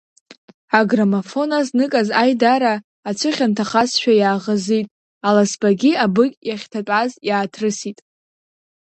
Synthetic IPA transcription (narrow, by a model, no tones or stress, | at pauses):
aɡramafo̞naznɨkʼazajdaɾaː | t͡ɕʷʰɨχʲantʰaχasʃᶣajaːʁəzitʼ | alasbaɡʲiabɨkʲʼjaχʲtʰat͡pʼazjaːtʰrɨsitʼ